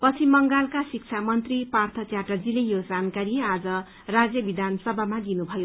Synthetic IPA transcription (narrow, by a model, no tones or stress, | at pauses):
pʌt͡sʰimʌŋɡalkasik̚t͡sʰamʌnt̪ripart̪ʰʌt͡sjaʈʌrd͡zilejod͡zankaɾiad͡zʌ | rad͡zjʌbid̪ʱansʌbʱamaɡinubʱʌjo